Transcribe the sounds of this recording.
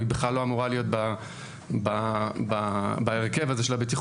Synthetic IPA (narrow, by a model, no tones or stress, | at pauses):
ibeχlalːo̞amuʁalijo̞t̪̚ba | bababaeʁke̞vazeʃelabet̪iχ